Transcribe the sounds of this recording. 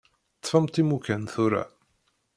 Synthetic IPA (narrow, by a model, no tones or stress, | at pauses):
t͡sːfəmt̪imukænθuɾa̰